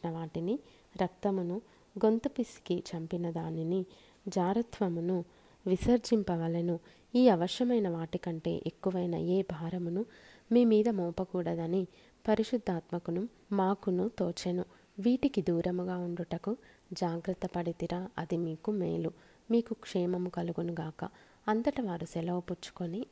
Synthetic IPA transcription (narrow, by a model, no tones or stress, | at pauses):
nɐʋaːʈini | ɾɐk̚t̪ɐmunu | ɡo̞nt̪upisi̥kit͡ʃɐmpinɐd̪aːnini | d͡ʒaːɾɐt̪ʋɐmunu | ʋisɐɾd͡ʒimpɐʋɐlɐnu | iːɐʋɐʃjɐmɐjnɐʋaːʈikɐɳʈe̞̰ːʔekːuʋɐjnɐ̰eːbʱaːɾɐmunu | miːmiːd̪ɐmɔːpɐkuːɽɐd̪ɐni | pɐɾiʂud̪ʱːaːt̪mɐkunu | maːkunut̪oːt͡ʃenu | ʋiːʈikid̪uːɾɐmuɡaːuɳɖuʈɐkud͡ʒaːɡɾɐt̪ːɐpɐɽit̪iɾaːʔɐd̪imiːkumḛːlu | miːkukʂɛːmɐmukɐluɡunuɡaːkɐ̰ | ɐnt̪ɐʈɐʋaːɾusɛlɐwput͡ʃːu̥koni